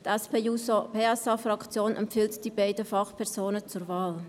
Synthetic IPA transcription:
tɛspeːuːsopeɛsɑfʁɑkt͡sjoːnʔɛ̰mpfiltd̥iːbaɪdəfɑχpʰɛʁzoːnət͡suɾvaːl

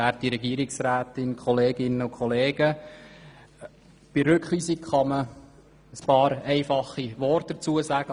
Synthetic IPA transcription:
æːɾttiɾɛɡiəɾɪksɾæːtɪnkʰχɔleːɡɪnːəʊkʰχɔleːɡ̥ə | b̥iɾʏkχliːsikχɑmə | əspɑːɾɛɪfɑχːiʋɔrtd̥ət͡suəsæɡ̥ə

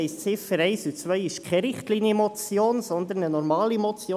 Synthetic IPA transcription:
ɛɪst͡sɪfəɾɛɪsut͡sʋœʏɪʃkʰɛɾɪχtliːnjəmɔt͡sjoːnsɔnd̪ənənɔɾmɑːlimɔt͡sjoː

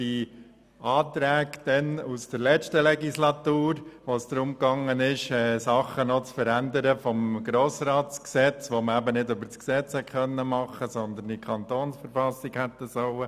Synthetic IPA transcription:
d̥i | ɑːt̪ɾæːɡd̪̥ɛnusd̥əɾlɛt͡ʃtəlɛɡislɑt̪uːɾʋosd̪̥ɾʊmkɑŋːənɪʃɛːsɑχənɔt͡sfəɾænd̪əɾəfɔmɡ̥ɾoːsɾɑːtt͡sksɛt͡sʋoməæbənɪdøbəɾt͡sksɛt͡shɛt̚χœnːəmɑχːəsɔnd̪ənikʰɑnt̪oːnsfəɾfɑsikhɛt̪ːəsɔʊə

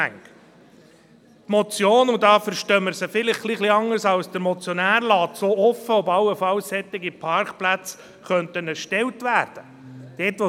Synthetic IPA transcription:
æ̰ŋk | tmɔt͡sjoːnudɑːfəɾʃtœːməɾsəfɪlɪχχliχliɑŋəɾsɑwsd̥əɾmɔt͡sjɔnæːɾlɑːt̪soːɔfəʊbɑwəfɑwsːɛt̪ːɪɡipʰɑɾkplæt͡s | χœntənɛɾʃtɛwtʋæːɾd̥ə | d̥ɛːtʋɔ

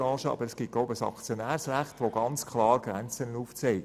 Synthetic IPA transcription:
ɑ̃ːʃəɑ̰bəɾəsɡ̥itɡ̥loʊbəsɑ̰kt͡sjonæːɾsræχtʋoɡɑnt͡skʰlɑːɾɡ̥ɾænt͡sənənuːft͡sɛɪ

